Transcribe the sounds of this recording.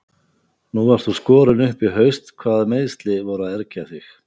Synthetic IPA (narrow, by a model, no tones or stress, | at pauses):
nuvaɾ̥tθuskɔːɾʏnʏhpɪɦœɥst̪kʰvaːðmeːjðst̪lɪvɔɾʏaðɛɾcaθɪx